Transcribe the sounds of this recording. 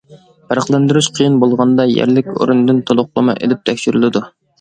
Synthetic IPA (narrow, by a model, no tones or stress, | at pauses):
pʰæɾəχlˠænd̪yɾyʃqʰəjinbolˠʁɑnd̪ɑjæ̰ɾlɪkʲo̰ɾund̪ɨnt̪ʰolˠʊqlˠəmɑ̰ʔḛlɪp̚t̪ʰɛkʲʃiɾylɪd̪u